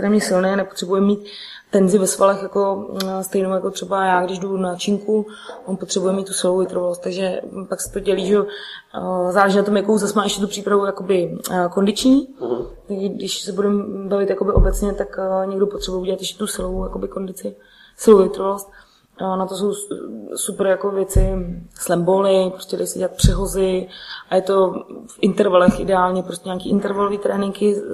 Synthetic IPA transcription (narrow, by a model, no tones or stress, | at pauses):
kt̪ɛɾɛːmɲɛsɪlnɛːnɛpot̪r̥ɛbujɛmmːiːt̪ː | ɛnzɪvɛsvalɛxjako̞st̪ɛjnowjako̞t̪r̥ɛbajaːɡdɪʒdunat͡ʃiːŋku | ʔonpo̞t̪r̥ɛbujɛmit̪ːusɪlowjɪt̪ɾovalost̪ːaɡʒɛpaksɛ̥t̪oɟɛliːʒɛo | zaːlɛʒɛnat̪o̞mjakowzasmaːɛʃcɛt̪upr̥iːpɾavujako̞bɪko̞ndɪt͡ʃɲiːt̪aɡʒɛdɪʃsɛbudɛmbavɪt̪jako̞bɪʔobɛtt͡sɲɛt̪akɲɛɡdopot̪r̥ɛbujɛʔuɟɛlat̪jɛʃcɛ̥t̪usɪlowjakobɪko̞ndɪt͡sɪ | sɪlowɪt̪ɾovalost̪ː | nat̪o̞s̬o̞wsupɾjako̞vjɛt͡sɪslɛmbolɪpɾoscʲɛda̰jsɛɟɛlat̪̚pr̝̥ɛɦo̞zɪʔajɛt̪o̞fʔɪnt̪ɛɾvalɛxʔɪdɛaːlɲɛpɾostcʲɛɲaːkiːʔɪnt̪ɛɾvalo̞viːt̪ɾɛːnɪŋkɪ